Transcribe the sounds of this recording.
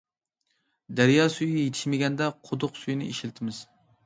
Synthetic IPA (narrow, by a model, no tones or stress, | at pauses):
d̪æɾjɑːsujijet̪ʰɪ̥ʃmɪɡʲɛnd̪ɛqʰod̪ʊqsujinɪ̰iʃlt̪ʰɪmɪz̥